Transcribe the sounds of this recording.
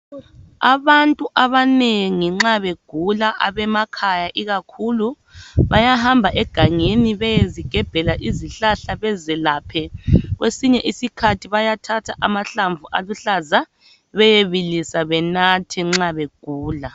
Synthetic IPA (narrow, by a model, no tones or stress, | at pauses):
aβantʼuʔaβaneŋiŋ͡ǁaβeɡ̥ʱulaʔaβɛmakʰajaʔiɣakʰulu | βajahambʱaʔɛɡ̥ʱaŋeniβɛjeziɡ̥ʱɛb̥ʱɛlaʔiziɬaɬaβɛzɛlaːpʰɛɣwesiɲɛʔisikʰatʰiβajatʰatʰaʔamaɬaɱvuʔaluɬaza | βɛjeβilisaβɛnatʰɛŋ͡ǁaβeɡ̥ʱuːla